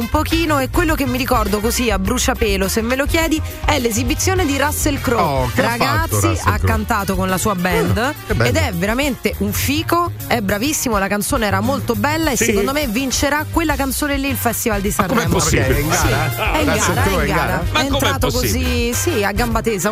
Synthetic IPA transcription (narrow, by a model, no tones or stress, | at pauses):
umpokiːnoekːwelːokemːiɾikɔrd̪okoziabɾut͡ʃapɛːlosemːelokjɛːd̪iɛlːezibit̪sːjoːned̪iɾasːelkɾoɾaɡat̪sːiakːant̪aːt̪okonlasuːabɛnd̪ed̪ɛveɾament̪eʔuɱfiːko | ɛbɾavisːimolakant̪soːneɛːɾamolt̪obɛlːaesːekond̪omevint͡ʃeɾakwelːakant̪soːnelːiːlfɛst̪ivald̪ist̪aɾmɛamŋɡɾaɛɡaeɾaɡaɡːaɾaɛent̪ɾaːt̪okozisiaɡːambat̪eza